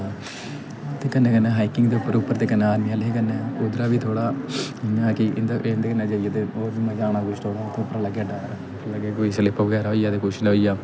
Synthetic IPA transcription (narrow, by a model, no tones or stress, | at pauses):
t̪eːkənːeːkənːeːɦaːikɪŋɡd̪eːʊpːəɾʊpːəɾt̪eːkənːeaːɾmiaːlɦeːkənːeːud̪ɾaːʋiːt̪ʰoːɽaːɪnãːkɪʔɪnd̪nd̪eːkənːẽːd͡ʒəijaːt̪eoːɾʋiːmɛ̃ːd͡ʒaːɽ̃ãːkʊʃʈ̪ʰoːɽaːt̪ʰːeʊpːəɾaləɡːeːəɖaːɾa | ləɡeːkoːiːsəlɪpʰʋəɡɛːɾaɦoːijaːd̪eːkoːʃɪlɦoːijaː